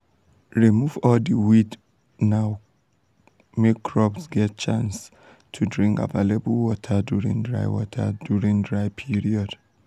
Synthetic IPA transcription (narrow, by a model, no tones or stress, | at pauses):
ɹimuvɔldiwid | naʊ | mekːʰɹɔbsɡɛt̚t͡ʃãns | tʰudɹĩŋka̰valəbəlˠwɔtʰəduɹḭ̃ŋdɹa̰ɪwɔ̰tʰə̰djuɹĩŋdɹajpʰiɹiɔd̥